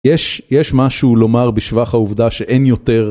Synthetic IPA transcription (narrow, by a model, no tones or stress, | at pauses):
jɛʃjɛʃmaʃulo̞maʁbiʃvaχhauvd̪aʃeʔe̞njot̪eʁ